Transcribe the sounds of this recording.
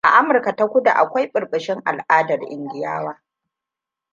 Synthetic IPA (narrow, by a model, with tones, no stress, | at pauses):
ʔa˨ʔa˦mʊ˨rka˨ta˦kʷʊ˦da̰˨ʔa˨kʷa˦jɓʼʊ˨rɓɪ˨ʃɪ˦ŋʔa̰˨lʔaː˦dɐ˨rʔɪ˨nɡʲɪ˨ja̰ː˦waː˦